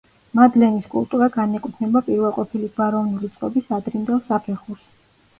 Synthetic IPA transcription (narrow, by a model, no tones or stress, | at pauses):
mad̪lɛniskʼṵlˠt̪ʼuɾaɡanɛkʼwut̪ʰnɛbapʼiɾvɛlˠqʼɔpʰilibaɾɔvnulit̪sʼqʼɔbisad̪ɾimd̪ɛlˠsapʰɛχuɾs